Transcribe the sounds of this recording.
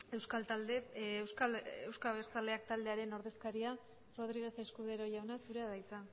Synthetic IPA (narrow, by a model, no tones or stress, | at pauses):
e̞wskalt̪ald̪ewskalewskaβeɾt͡sald̪e̞ak̚t̪ald̪e̞aɾe̞no̞ɾðe̞skaɾia | ro̞ð̞ɾiɣ̞e̞θe̞skuð̞e̞ɾo̞ʝawnasuɾe̞aðajt͡sa